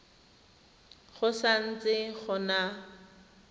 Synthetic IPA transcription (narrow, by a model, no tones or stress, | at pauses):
χʊsan̩t͡sʼɪχʊna